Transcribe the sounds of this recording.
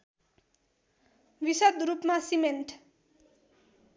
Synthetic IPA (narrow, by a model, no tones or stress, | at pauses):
wisʌd̪rupmasimeɳʈ